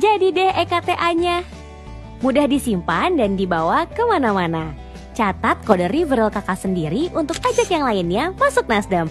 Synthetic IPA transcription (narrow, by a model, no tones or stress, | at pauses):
d͡ʒadidɛhekat̪eʔaɲa | mudahdisimpandandibawakəmanamana | t͡ʃat̪at̪̚kodərivəɾalkakasəndiɾiʔunt̪ʊk̚ad͡ʒakjaŋlaɪnɲamasʊk̚nasdəm